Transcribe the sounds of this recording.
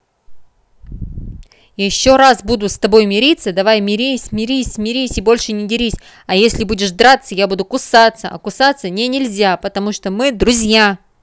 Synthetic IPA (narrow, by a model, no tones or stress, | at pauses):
jɪɕːo̞ɾasbud̪ʊst̪ɐbo̞jmʲɪɾʲit̪sːəd̪ɐvajmʲɪɾʲisʲmʲɪɾʲisʲmʲɪɾʲisʲɪbo̞lʲʂɨnʲɪdʲɪɾʲisʲ | ɐjesʲlʲɪbudʲɪʂd̪ɾat̪səjabud̪ʊkʊsat̪səʔɐ̰kʊsat̪sːənʲenʲɪlʲzʲapət̪ɐmuʂt̪omɨd̪ɾʊzʲja